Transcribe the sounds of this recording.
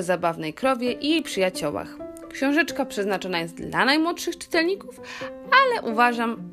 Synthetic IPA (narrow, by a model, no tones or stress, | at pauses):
zabavnɛjkɾɔvʲjɛʔijejpʂɘjat͡ɕɔwa̰x | kɕɔ̃w̃ʐɛt͡ʂkapʂɛznat͡ʂɔnajɛst̪̚d̪la̰najmwɔt̪ʂɘxt͡ʂɘ̥t̪ɛlɲikufalɛʔuvaʐam